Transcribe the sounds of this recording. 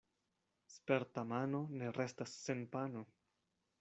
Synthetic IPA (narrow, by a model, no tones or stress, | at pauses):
speɾtamano̞ne̞ɾe̞stasːe̞npano